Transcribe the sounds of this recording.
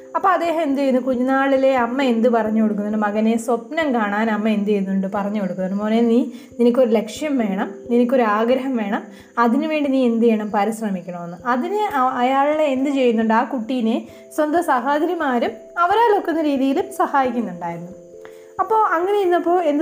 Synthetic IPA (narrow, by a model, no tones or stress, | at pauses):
ɐpːo̞ːɐd̪e̞ːɦɐmend̪ut͡ɕejunːukuɲːɐnaːɭile̞ɐmːɐe̞nd̪ɨpɐrɐɲːuko̞ɽuk̬ːunːɐðɨmɐɣɐneswɐpnɐmkaːɳaːnɐmːɐe̞nd̪uejunːuɳɖɨpɐrɐɲːuko̞ɽukːunːɐðmoːneniːninik̬ʲːo̞ɾule̞kʂjɐmʋe̞ːɳɐmninikʲːo̞ɾuaːɡɾɐɦɐmʋe̞ːɳɐm | ɐðinɨʋe̞ːɳɖiniːend̪ieːɳɐmpɐɾiɕrɐmikʲːɐɳɐmɐnːɨɐðinɨɐjaːɭɭeend̪ɨt͡ɕe̞jːunːuɳɖɨaːkuʈːijine | swɐnd̪ɐsɐɦad̪ɐɾjimaːɾum | ɐʋɐɾaːɭo̞kːunːɐɾiːðijilumsɐhaːjikʲːunːuɳɖaːjiɾunːu | ɐpːo̞ːʔɐŋːɐnejinːɐpːo̞ːe̞nd̪ɨ